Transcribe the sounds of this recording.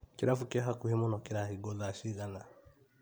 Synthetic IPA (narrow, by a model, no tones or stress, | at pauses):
kɪɾafukeɦakuhemʊnɔkɪɾaɦiɡolaʃiɣana